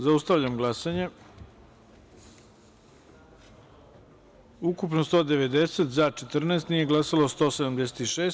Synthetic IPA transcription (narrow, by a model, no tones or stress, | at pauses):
zaust̪aʋʎamɡlˠasaɲe | ukupnost̪oːd̪e̞ʋe̞d̪e̞set̪zat͡ʃet̪r̩neːst̪nije̞ɡlˠasalost̪o̞ːsed̪amd̪ese̥t̪iʃeːs